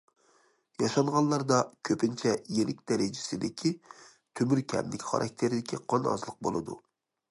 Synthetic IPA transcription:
jɑʃɑɴʁɑlˠɑɾd̪ɑkʲʰøpɪnt͡ʃʰɛjelɪkʲd̪ɛɾɪd͡ʒɪsɪd̪ɪkʲʰi | t̪ʰømyɾkʲʰɛ̰mlɪkʲχɑ̰ɾʔɑ̰k̚ʲt̪ʰeɾɪd̪ɪkʲʰiqʰɑnɑ̰zlˠəq̚bo̰lˠɨ̰d̪ṵ

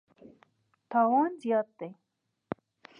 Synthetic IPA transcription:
t̪ɑwɑnzjɑt̪̚d̪ej

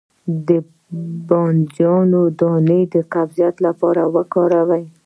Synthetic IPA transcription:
d̪ə | bɑnd͡ʒjɑnod̪ɑned̪əqabzijat̪lapɑɾawəkɑɾawaj

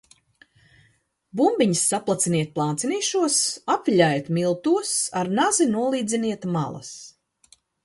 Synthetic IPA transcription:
bumbiɲsːaplˠat̪siniɛt̪̚plˠaːnt̪siniːʃuɔsapviʎʲajt̪milˠt̪uɔsaɾnazinuɔlˠiːd̪zʲiniɛt̪ma̰lˠɐ̰s

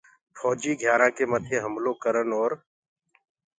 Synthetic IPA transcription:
fʰɔːd͡ʒiːɡʱjaːɾãːkeməd̪ʰʱjeɦəmloːkəɾənɔːɾ

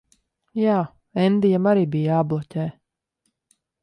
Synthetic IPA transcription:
jaː | ɛnd̪ijamaɾiːbijablˠɔcʲɛː

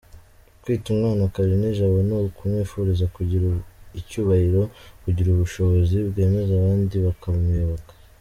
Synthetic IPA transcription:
twiːtumŋaːnakaɾineʒaβonokʰumefuɾizakuɟiɾuicuːβahiɾo̞kuɟiɾuβuʃo̞βo̞zibɡe̞ːme̞zaβaːndiβakaβumɲeβakḁ

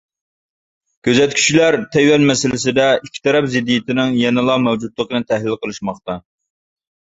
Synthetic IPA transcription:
kʲʰøzɛt̪kʲʰy̥t͡ʃlæɾt̪ʰɛjwɛnmɛsɪlɪsɪd̪ɛikʲʰi̥t̪ʰɛɾɛpzɪd̪ːijit̪ʰɪnɪŋjɛnɨlˠɑmɛwd͡ʒut̪lˠəqənɨt̪ʰæhlɪlqəlˠɨʃmɑχt̪ɑ

